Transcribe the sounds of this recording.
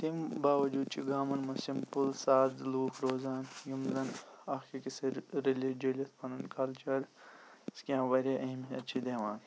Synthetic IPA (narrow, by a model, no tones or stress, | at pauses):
t̪imbaːʋɐd͡ʒuːd̪̚t͡ʃʰiɡaːmɐnmusimpulsaːd̪luːkʰɾoːzaːnjumzɐnaːxikisɐɾɾelid͡ʒɐlɐt̪pɐnunkɐlt͡ʃɐɾskiãːʋɐɾjaːʔɐɦimiɐtːt͡ʃʰid̪eːʋaːn